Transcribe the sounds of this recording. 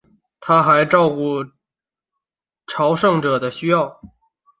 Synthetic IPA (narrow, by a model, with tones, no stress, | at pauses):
t̪ʰa˥xa˧˥ɪʈ͡ʂɑ˥˧ʊku˥˩ | ʈ͡ʂʰɑ˧˥ʊʂɤ˥˩ŋʈ͡ʂɤ˨˩d̪ə˦ɕy˥jɑ˥˩ʊ